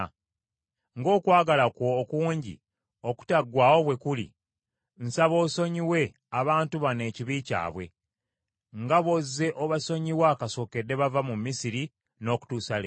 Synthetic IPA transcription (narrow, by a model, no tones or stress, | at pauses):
ŋɡo̞ːkwaːɡalakwo̞ːkuːɲɟḭ | o̞ku̥taɡwaːwo̞βwe̞kulḭ | n̩saβo̞ːso̞ɲiwe̞ | aβaːntuβane̞ːciβiːca̰ːβwe̞̰ | ŋɡaβozːe̞ʔoβaso̞ɲiwakaso̞ːke̞dːe̞βavamumːisiɾi | no̞ːku̥tuːsale